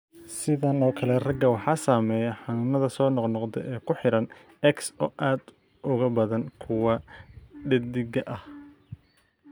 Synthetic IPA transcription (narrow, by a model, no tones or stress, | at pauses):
sɪðɐnɔːkʰɐlɛrɐɡɐwɑħɑːsaːmɛːjɐħɑnʊːnɐðɐsɔːnɔqnɔqd̪ɛ̰ʔɛːkʰʊħɪɾɐn | ɛksɔːʔaːd̪ | ʔʊɣɐbɐðɐnkʰʊwɑɖɛd̪ɪɡɐʔɐh